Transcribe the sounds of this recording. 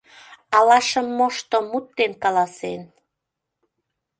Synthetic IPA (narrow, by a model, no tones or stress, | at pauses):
ɑlɑʃəmːoʃt̪omut̪ːenkɑlɑsen